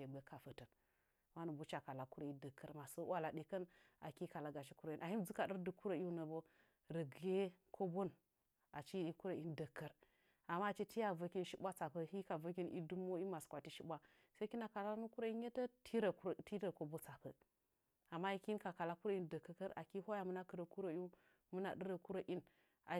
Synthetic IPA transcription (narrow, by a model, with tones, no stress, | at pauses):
e˨bə˦ka˨fə˨tə˨n | wa˦nu˨bu˦t͡ʃa˨ka˨la˨ku˦ɾo˨i˦də˨kːə˦ɾma˨sə˦wa˦la˨ɗe˨kə˦n | a̰˨ki˦ka˨la˨˦ɡa˨ʃi˦ku˦ɾo˨i˨na˨hi˦d͡zu˦ka˨ɗə˦ɾdu˨ku˦ɾo˨i˦u˦nə˨bo˦ | ɾə˨ɡje˦kʰo˦bo˦n | a˨t͡ʃi˦i˦ku˦ɾa˨i˦ndə˨kːə˦ɾ | a˨mːa˦˨t͡ʃi˦ti˦ja˨və˦ki˦nʃi˦bʷa˦t͡sa˨pə˦hi˦ka˨və˦ki˦nḭ˦du˦m˦o˦i˦ma˨skʷa˨ti˦ʃi˦bʷa˦ | sa˦ki˦na˨ka˨la˦nu˦ku˦ɾo˦i˦e˦ta˦tʰi˦ɾti˦ə˨ko˨bo˦t͡sa˨pə˨ | a˨mːa˦i˦ki˦n˦ka˨ka˨la˦ku˦ɾa˦i˦n˨də˨kːə˨kə˦ɾa̰˨ki˦ho˦ja˨mu˦na˦kə˨ɾə˨ku˦ɾo˨˦u˦ | mu˦na̰˨ɗə˦ɾə˨ku˦ɾo˨ʔi˦n | a˨